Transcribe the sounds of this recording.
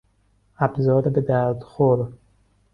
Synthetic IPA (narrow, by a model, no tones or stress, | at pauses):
æbzɒːɾebed̪æɾd̪xoɾ